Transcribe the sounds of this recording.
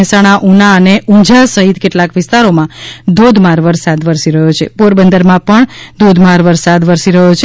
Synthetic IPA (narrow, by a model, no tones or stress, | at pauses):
ɛsaɽ̃aʔunaəneũd͡ʒasəɦit̪keʈlakʋɪst̪aɾomãd̪od̪ʱmaɾʋəɾsad̪ʋəɾsiɾəɦjot͡ʃʰḛpoɾbənd̪əɾmãpəɳd̪od̪ʱmaɾʋəɾsad̪ʋəɾsiɾəɦjot͡ʃʰ